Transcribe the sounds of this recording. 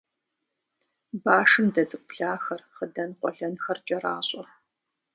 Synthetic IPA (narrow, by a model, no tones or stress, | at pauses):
baːʂɨmdɐzʼɨk̚ʷʼɮaːxɐrχədɐnqʷɔɮɐnxɐrt͡ʃʼɐraːɕʼɔ